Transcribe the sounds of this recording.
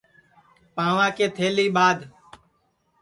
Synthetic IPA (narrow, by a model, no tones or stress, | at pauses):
pãːʋãːkeːt̪ʰeːliːɓaːd̪